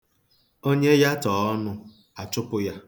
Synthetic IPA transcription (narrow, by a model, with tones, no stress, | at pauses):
o˦ɲe˦ja˦tɔː˨ɔ˦nʊ˦ | a˨t͡ʃʊ˦pʊ˦ja˦